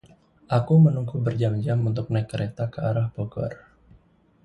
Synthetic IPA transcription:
ʔakumənuŋkubərd͡ʒamd͡ʒamunt̪ʊk̚naikːəɾet̪akəaɾahboɡɔ̰r

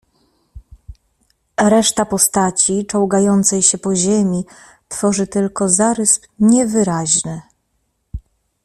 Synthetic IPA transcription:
ɾɛʂt̪apɔst̪at͡ɕit͡ʂɔwɡajɔnt̪sɛjɕɛpɔʑemʲi | t̪fɔʐɘt̪ɘlkɔzaɾɘspɲɛvɘɾaʑnɘ

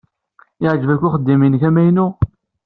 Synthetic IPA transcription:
ɪʕʒvækʷːʊχəd̪ːiminçæmæjnu

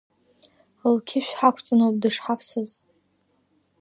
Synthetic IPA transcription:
lkʲʰɪʃᶣʷħakʷʰt͡sʼanob̚dɨʂħafsɨz

